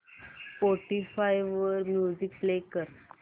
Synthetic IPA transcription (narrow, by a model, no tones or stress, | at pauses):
foʈifajʋʋəɾmjud͡ʑik̚plekəɾ